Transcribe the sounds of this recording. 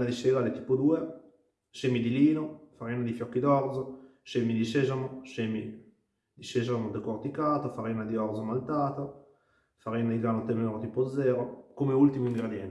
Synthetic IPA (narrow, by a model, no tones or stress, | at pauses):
nad̪iʃeɡaːlet̪i̥ːpod̪uːe | ʃemid̪iliːnofaɾiːnad̪ifjɔkːid̪ɔrd̪zoʃemid̪iʃezamoʃemi | d̪iʃeʒamod̪ekort̪ikaːt̪ofaɾiːnad̪iɔrzomalt̪aːt̪o | faɾiːnad̪iɡɾaːnot̪emeɾot̪iːpod̪zːɛːɾokomeult̪imoiŋɡɾed̪jɛnt̪